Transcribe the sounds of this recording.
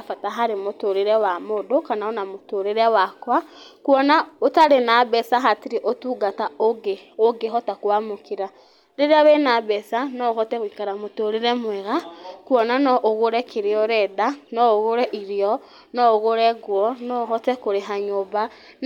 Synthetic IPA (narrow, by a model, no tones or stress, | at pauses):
afataɦaɾemotoɾeɾɛwamodokanaonamotoɾeɾɛwakwakwɔnaotaɾenabɛsaɦatiɾeʔotuɡataoɡeoɡeɦɔtakwamokeɾa | ɾeɾeaβenabɛsanɔohɔtɛɣikaɾamotoɾeɾɛmwɛɣakwɔnanɔʔoɣoɾɛkeɾeɔɾɛdanɔoɣoɾɛʔiɾeɔ | nɔoɣoɾɛɣwɔnɔɦɔtɛkoɾeɦaɲoba